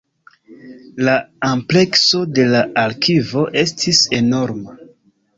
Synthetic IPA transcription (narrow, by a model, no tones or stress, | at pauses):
laample̞kso̞de̞laaɾkʰivo̞ʔe̞stʰise̞no̞ɾma